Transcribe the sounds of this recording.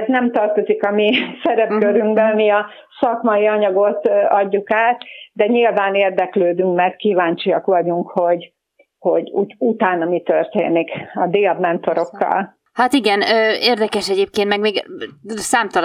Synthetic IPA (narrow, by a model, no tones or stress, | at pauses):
znɛmt̪ɒrt̪o̞zikɒmisɛɾɛpkøɾyŋɡbɛnmiɒ | sɒkmɒjiɒɲɒɡo̞t̪ɒɟːukaːt̪d̪ɛɲilvaːneːrd̪ɛkløːd̪yŋkmɛrt̪̚kiːvaːɲt͡ʃiɒkʋɒɟuŋkho̞ɟ | ho̞ɟṵːɟut̪aːnɒmit̪ørt̪ḛːnikɒd̪eːɒbmɛnt̪o̞ɾo̞kːɒ̰l | hat̪iɡɛnøːeːrd̪ɛkɛʃɛɟeːp̚keːnt̪mɛɡmeːɡsaːmt̪ɒl